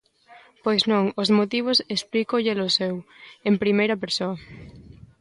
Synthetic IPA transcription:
pojznɔ̃ŋozmot̪iβ̞osesplikoʎelosɛwempɾimejɾɐpeɾsoɐ

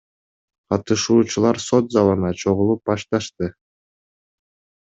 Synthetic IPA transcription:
qɑt̪ɯʃuːt͡ʃulˠɑɾso̞t̪zɑlˠɯnɑt͡ʃʰo̞ʁulˠup̚bɑʃt̪ɑʃt̪ɯ

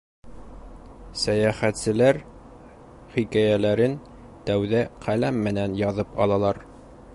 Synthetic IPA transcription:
sæjæχæt̪sɘ̆læɾ | χikæjælæɾɘn | t̪æwðæqʰælæmːɘ̆nænjɒðɤpɒ̰lˠɑlˠɑɾ

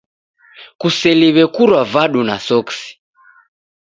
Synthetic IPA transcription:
kusɛliβɛkuɾwavaɗuna̰sɔksi̥

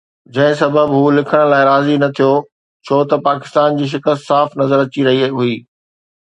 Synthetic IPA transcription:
d͡ʑɐ̃ɦɪ̃s̬ɐbʱəbɦuːlɪkʰəɽ̃̆laːɪɾaːzinɐt̪ʰijo | t͡ɕʰoːt̪ɐpaːkɪst̪aːnd͡ʑiːʃ̬ɪkəst̪saːfnɐzəɾɐt͡ɕiɾɐɦiɦuiː

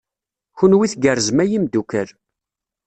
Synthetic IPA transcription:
çunwiθɡərəzmæjimd̪ukəɾ

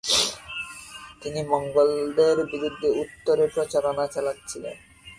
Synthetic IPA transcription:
t̪inimɔŋɡold̪eɾbiɾud̪ʱːeut̪ːoɾepɾot͡ɕaɾonat͡ɕalatːɕʰilḛn

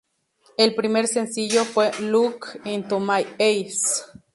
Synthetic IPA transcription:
elpɾimeɾsensiʎofwelukint̪omajejs

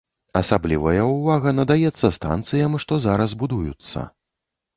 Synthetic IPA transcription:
ɐsablʲivɐjɐuvaɣɐnɐd̪ajɛt̪sːɐst̪a̰nt̪sɨjɐmʂt̪ɔzaɾɐzbud̪ujut̪sːɐ̰

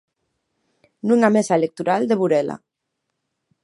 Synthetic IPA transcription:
nuŋamesaelek̚t̪uɾald̪eβuɾela̰

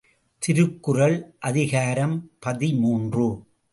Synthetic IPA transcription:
t̪ɪɾɯkːɯrɐɭʔɐðɪɣaːɾɐmpɐðimuːndrɯ

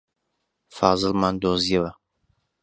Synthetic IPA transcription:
fɑːzɨlmɑːnd̪oːzijɐwɐ

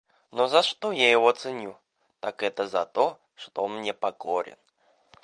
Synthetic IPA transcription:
nozɐʂt̪ojajɪvot̪sɨnʲu | t̪akɛt̪əzɐt̪ɔ | ʂt̪onmnʲɛpɐkoɾʲɪ̰n

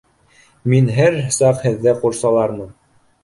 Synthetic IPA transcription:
minɦæɾsɑqhɘ̆ðːɘquɾsɑlˠɑɾmɤn

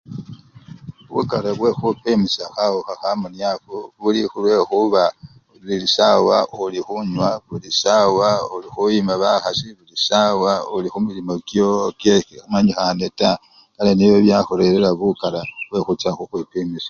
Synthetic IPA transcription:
βṵkaɾaβwe̞xupimisaxawuxaxamunjafoβulixulwe̞xuβa | lilisawaulixuɲwaβulisawaulixujimaβaxasiβulisawaulixumilimo̞kjokjexixumaɲixaneta | kaleniβjoβjaxoɾe̞lelaβukaɾaβwe̞xut͡saxuxwipimisḁ

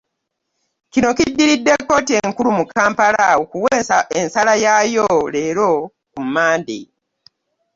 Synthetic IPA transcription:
cino̞kidːiɾidːe̞kːo̞ːtieŋkulumukaːmpalawokuwensalajajole̞ːɾo̞ | kumːaːndḭ

